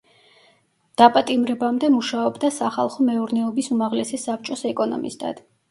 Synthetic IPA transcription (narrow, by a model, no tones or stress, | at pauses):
d̪̥apʼat̪ʼimɾɛbamd̪ɛmuʃaɔbd̪asaχa̰lˠχɔmɛuɾnɛɔbisumaʁlɛsɛsap̚ʰt͡ʃʼɔsɛkʼɔnɔ̰mḭst̪ʰa̰d̪̥